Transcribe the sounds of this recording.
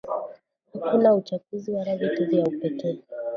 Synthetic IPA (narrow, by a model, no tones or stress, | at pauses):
hakunaut͡ʃakuziwaɾaðituzijaupɛkɛː